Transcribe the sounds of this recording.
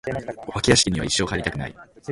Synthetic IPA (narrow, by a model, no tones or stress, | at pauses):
oβakʲijaɕi̥kʲiɲ̟iβa̰iɕːo̞ːkaɾʲit̪akɯ̟na̰ḭ